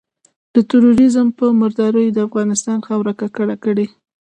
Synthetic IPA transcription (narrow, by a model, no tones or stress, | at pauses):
d̪̥ət̪əɾoɾɪzəmpəməɾd̪ɑɾəjd̪əafɣɑnɪst̪ɑnxawɾakakəɽakəɽe